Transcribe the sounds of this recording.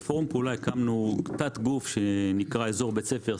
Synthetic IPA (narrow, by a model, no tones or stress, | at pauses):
foʁumkulajekamnukt͡sat̪ɡufʃenikʁae̞zo̞ʁbe̞t͡se̞fe̞ʁ